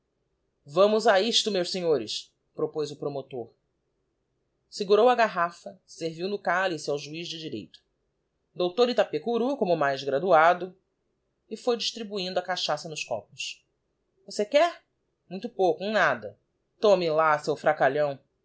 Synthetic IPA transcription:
vɐ̃mʊzaiʃt̪ʊmewseɲoɾɪs | pɾopojzʊpɾomot̪oɾ | siɡuɾowɐɡaɦafɐseɾviwnʊkalisiawʒuizd͡ʒɪd͡ʒiɾḛjt̪ʊ̥ | d̪owt̪oɾit̪apekuɾukõmʊmajzɡɾad̪uad̪ʊ | ɪfojd͡ʒiʃt̪ɾibuĩnd̪ʊɐkaʃasɐnʊskɔ̰pʊs | vosekɛɾ | mũj̃t̪ʊpowkʊẽnad̪ɐ | t̪õmɪlasewfɾakaʎɐ̃w̃

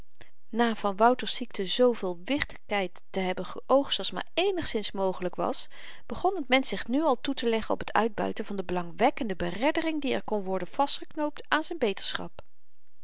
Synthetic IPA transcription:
naːv̥ɑnʋʌwtəɹsiktʰəzowvɪːlˠʋɪχtə̥kɛjtː | əɦɛbənχəʔowχtswɑlˠsma̰ːɹejnəχsɪnsmowχələkʋɑ̰s | b̥əχɔnɦətmɛnsɪχnyɑlˠtutəlɛχənɔ̰pətʰœ̰ɥd̚bœ̰ɥtənvɑndəbəlɑŋʋɛkəndəbərɛdərɪŋdiɛ̰ɹkɔnʋɔɹdənv̥ɑstχəknowp̚taːnzɛjnbejtəɹsχɑ̰p

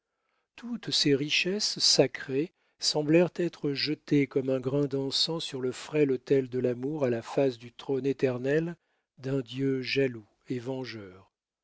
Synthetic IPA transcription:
t̪ʰut̪seʁiʃɛsːakχe | sɑ̃blɛʁt̪ɛt̪χəʒət̪ekɔmɛ̃ɡʁɛ̃d̪ɑ̃sɑ̃syʁləfχɛlɔt̪ɛld̪əlamuʁalafasd̪yt̪χonet̪ɛʁnɛl | d̪ɛ̃d̪jøʒalu | evɑ̃ʒœːʁ

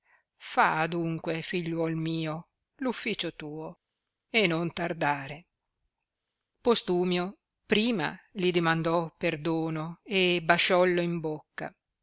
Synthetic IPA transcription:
faːd̪uŋkwefiʎːwɔlmiːo | lufːiːt͡ʃot̪uːo | enont̪ard̪aːɾe | post̪uːmjo | pɾiːma̰lid̪imand̪ɔperd̪oːnoebaʃɔlːoimbokːa̰

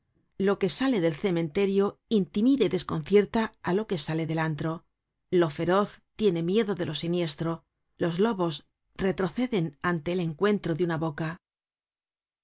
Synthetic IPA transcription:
lo̞ke̞sale̞ðe̞lθe̞mẽ̞nt̪e̞ɾjo̞int̪imiðeiðe̞sko̞nθje̞ɾt̪aalo̞ke̞sale̞ðe̞lant̪ɾo̞ | lo̞fe̞ɾo̞θt̪je̞ne̞mje̞ðo̞ðe̞lʔo̞sinje̞st̪ɾo̞ | lo̞zlo̞βo̞s | re̞t̪ɾo̞θe̞ðe̞nant̪e̞ːle̞ŋkwe̞nt̪ɾo̞ðeunaβo̞ka

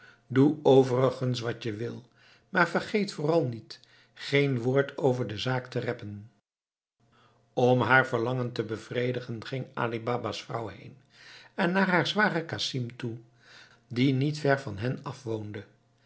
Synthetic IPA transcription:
duowvərəχəns̬ʋɑtəʋɪlˠ | maːɹvəɹχejtfʊːrɑlˠnit | χejnʋʊːɹtʰowvəɹdəzaːktərɛpən | ɔmɦaːɹvəɹlɑŋəntəbəv̥rejdəχənχɪŋa̰ːlibaːbasfrʌ̰wɦḛjn | ɛnːaːɹɦaːɹzʋaːrəkasimtu | dinitfɛɹvɑnɦɛnɑfʋowndə

